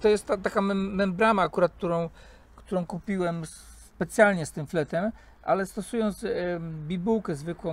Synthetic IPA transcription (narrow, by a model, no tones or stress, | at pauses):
t̪ɔjɛst̪ːat̪ːakamɛːɛmbɾamaːkuɾat̪̚k̚t̪uɾɔ̃w̃ | kt̪uɾɔ̃w̃kupʲiwɛms | pɛt̪sʲjalɲɛst̪ɘmflɛt̪ɛm | ʔa̰lɛst̪ɔsujɔnd̪sbʲibuwkɛzvɘkwɔ̃w̃